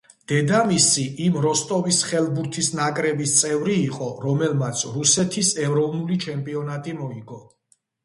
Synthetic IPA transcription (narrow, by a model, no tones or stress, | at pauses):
d̪̥ɛd̪amisiʔimɾɔst̪ʼɔvisχɛlbuɾt̪ʰisnakʼɾɛbist̪sʼɛvɾiːqʼɔɾɔmɛlmat̪sʰɾusɛt̪ʰisɛvɾɔvnulit͡ʃʰɛmpʼiɔnat̪ʼimɔiɡɔ